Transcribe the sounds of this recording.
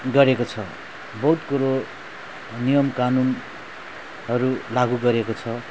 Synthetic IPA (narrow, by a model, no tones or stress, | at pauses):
ɡʌɾekot͡sʰʌ | bʌut̪kuɾo | nijʌmkanun | ɦʌɾulaɡuɡʌɾekot͡sʰʌ